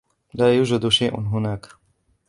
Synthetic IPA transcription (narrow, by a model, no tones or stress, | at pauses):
laːjuːd͡ʒad̪ʃajʔɪ̰nɦʊnaːk